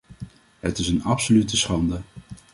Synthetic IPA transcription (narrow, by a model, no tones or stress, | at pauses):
ɦətɪsənɑpsolytəsχɑndə